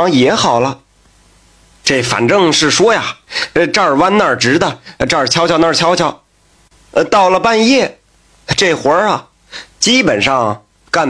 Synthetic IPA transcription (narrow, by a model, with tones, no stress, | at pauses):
ŋjɛ˧˥xɑ˨˩ʊlə˦ | ʈ͡ʂe˥˩fa̰˨˩nʈ͡ʂɤ˥˧ŋʂɻ̩˥˩ʂwɔ˥ja˨˩ʈ͡ʂɑ˥˩wa˥nna˞˥˩ʈ͡ʂɻ̩˧˥d̪ə˨ʈ͡ʂa˥˩t͡ɕʰjɑ˧˥t͡ɕʰjɑ˧˥˦na˥˩t͡ɕʰjɑ˧˥ʊt͡ɕʰjɑ˧˩˦ʊ˧ | t̪ɑ˥˩ʊlə˩pa˥˧njɛ˥˩ | ʈ͡ʂe˥˩xwə˧˥ɐ˨˩ | t͡ɕi˥pə˨˩nʂɑ˥˩ŋ | ka˥˩n